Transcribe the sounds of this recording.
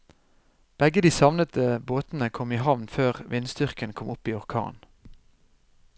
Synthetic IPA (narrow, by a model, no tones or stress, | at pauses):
b̥ɛɡəd̪iːsɑʋnət̪əboːt̪n̩əkʰɔmiːhɑʋnføːʁʋɪnst̪ʏʁkənkʰɔmʊpiːɔʁkʰɑ̰ːn